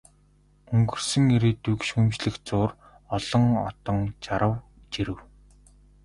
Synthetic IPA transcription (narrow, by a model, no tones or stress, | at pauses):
ɵŋɡɵ̆r̥sɘ̆ŋeɾeːt̪ukʃxumt͡ɕɮɘ̆xt͡sʊːr | ɔɮ̥ɞ̆ŋɔ̰t̪ɞ̆ŋt͡ɕaɾə̆w | t͡ɕiɾɘ̆w